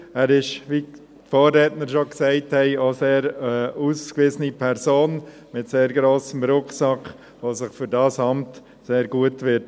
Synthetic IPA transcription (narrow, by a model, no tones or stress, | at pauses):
æːɾɪʃʋiː | tfɔːɾɛːtnəɾʃoksɛɪthɛɪoːseːɾɛuskvɪzənipʰɛɾsoːn | mɪtseːɾɡɾoːsəmɾʊkχsɑkʰ | ʋoːsɪχfʏɾdɑːsɑmt | seːɾɡuətʋɪɾt